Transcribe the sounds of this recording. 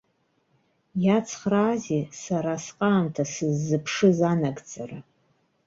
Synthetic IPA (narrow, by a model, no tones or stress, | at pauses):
jat͡sʰχraːzisaɾasqʼaːmtʰasɨzːɨpʰʂɨzanaɡd͡zʼara